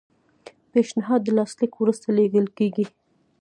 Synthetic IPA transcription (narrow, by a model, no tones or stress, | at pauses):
peʃnɪɦɑd̪ːəlɑslikwɾust̪aleɡəlkeɡi